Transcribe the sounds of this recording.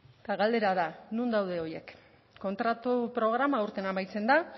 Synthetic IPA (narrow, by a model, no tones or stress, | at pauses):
t̪aɣald̪e̞ɾaðanund̪awð̞e̞o̞je̞kː | o̞nt̪ɾat̪upɾo̞ɣ̞ɾamauɾt̪e̞namajt͡se̞nd̪a